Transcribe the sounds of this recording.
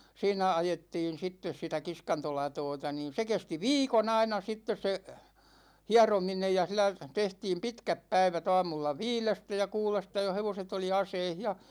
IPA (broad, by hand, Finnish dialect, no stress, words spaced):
siːnæ ɑjetːiːn̞ sitːes sitæ kiskɑntolɑtoːtɑ niːn̞ se kesti ʋiːkon ɑinɑ sitːes se hiɑrominej jɑ silˑæ tehtiːm pitkæp pæiʋæt ɑːmulːɑ ʋiːlestæ jɑ kuːlestɑ jo heʋoset oli ɑseih jɑ